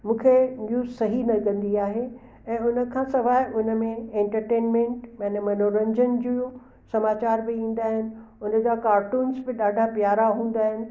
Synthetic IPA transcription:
mũːkʰenjuːzsɐɦinɐɡɐ̃nd̪iaːɦe | ɛ̃ːʊnə̆kʰãːsɐʋaːɦɪʔʊnə̆mẽẽɳʈəɾʈeːnmẽːɳʈmɐ̃nmɐnoːɾə̃ɲd͡ʑənd͡ʑiũ | sɐmaːt͡ɕaːɾbɪĩːn̆d̪aːɦɪnɪ̆ʊnə̆d͡ʑaːkaːɾʈuːnsbɪɗaːɖʱapjaːɾaɦũːn̆d̪aːɦɪnɪ̆

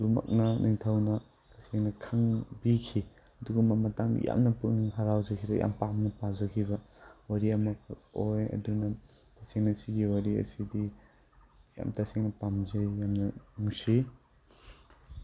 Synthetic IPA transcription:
duma̰k̚nɐniŋtʰawnɐ | taseŋnɐkʰaŋbikʰi | ɐduɡɐmɐmɐtaŋ̰ja̰mnɐpɯk̚niŋɦaɾawzɐkʰibɐja̰mpamnɐpazɐkʰibɐwaɾiɐmɐk̚ʰojɐ̰dunɐtaseŋnɐsiɡiwaɾiɐ̰sidi | ja̰mtaseŋnɐpamzɐjjamnɐnuŋsi

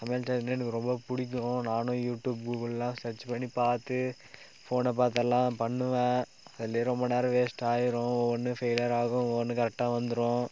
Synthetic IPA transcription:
sɐmeːlt͡ʃɐɛnːɐɛnɯkːɯɾɔmbɐpʊɽɪk̬ʲːɯõnaːnʊ̃juːʈjuːb̚ɡuːkɐɭɛlːãːsɛt͡ʃːpɐɳːipaːɾt̪ɯ | foːnɛpaːɾt̪ɛlːãːpɐɳːɯʋɛ̃ | ɐðɪlːeɐɾɾɔmbɐneːɾɐʋeːsʈaːjɪɾõɔnːɯfejlɐɾaːɣʊ̃ɔɐnːɯkɐɾɛk̚ʈaːʋɐnd̪ɯɾõː

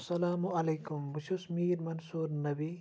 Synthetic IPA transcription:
sɐlaːmuɐlejkumbuʃusmiːɾmɐnsuːɾnɐbi

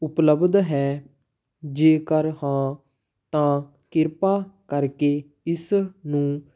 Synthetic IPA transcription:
ʊpləbd̪ɦɛː | d͡ʒeːkəɾhãː | t̪ãː | kɪɾpaːkəɾkeː | ɪsnũː

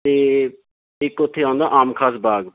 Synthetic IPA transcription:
t̪eː | ɪkːʊt̪ʰːeːãːnd̪aːʔaːmkʰaːsbaːɡ

